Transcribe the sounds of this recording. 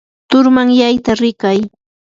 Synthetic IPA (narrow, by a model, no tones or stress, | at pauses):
t̪ʊɾmaŋjajt̪aɾɪkaj